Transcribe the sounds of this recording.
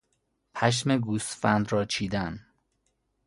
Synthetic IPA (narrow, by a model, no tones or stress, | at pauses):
pʰæʃ̬meɡust̪fænd̪ɾɒːt͡ʃʰiːd̪æn